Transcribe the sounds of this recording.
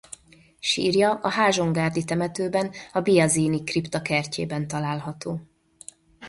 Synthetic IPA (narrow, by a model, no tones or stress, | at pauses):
ʃḭːrjɒʔɒɦaːʒo̞ŋɡaːrd̪it̪ɛmɛt̪øːbɛnɒbijɒziːnikript̪ɒkɛrcḛːbɛnt̪ɒlaːlɦɒt̪oː